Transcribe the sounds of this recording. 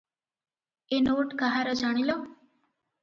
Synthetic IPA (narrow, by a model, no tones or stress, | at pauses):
enoːʈkaɦaɾəd͡ʒaɽ̃ilo